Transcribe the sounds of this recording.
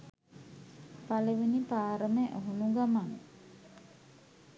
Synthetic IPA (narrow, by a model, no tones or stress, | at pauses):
paleʋinipaːɾəmeʔəɦunuɡamaŋ